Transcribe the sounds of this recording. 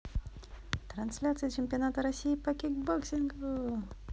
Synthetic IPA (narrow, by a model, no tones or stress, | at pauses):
t̪ɾɐnsʲlʲat̪sɨjət͡ɕɪmʲpʲɐnat̪əɾɐsʲːijːpɐkʲɪɡboksʲɪnɡ